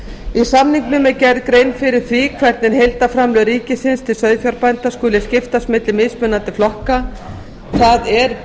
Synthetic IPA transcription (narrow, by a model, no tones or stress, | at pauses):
isamniŋknʏmɛðcɛɾðkɾejnfɪɾɪɾ̥θvikʰvɛɾt̪nɪnɦejlt̪afɾamlœðɾiːcɪsɪnst̪ʰɪlsœɥðfjœɾpajnt̪askʏːlɪscɪft̪ast̪mɪt̪lɪmɪðspʏnant̪ɪflɔhka | θaðɛɾ